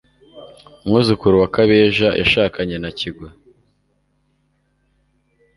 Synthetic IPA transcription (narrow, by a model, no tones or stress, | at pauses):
umŋuːzukuɾuwakaβeːʒajʔa̰ʃaːkaɲenaciɡwa